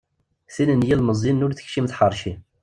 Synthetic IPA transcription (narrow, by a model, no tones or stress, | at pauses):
θinənjilməzˤinːʊɾθə̥çʃimθħəɾˤʃi